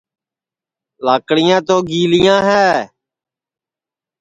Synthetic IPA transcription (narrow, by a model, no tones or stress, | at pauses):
laːkɽɪjãːt̪oːɡiːlɪjãːɦɛː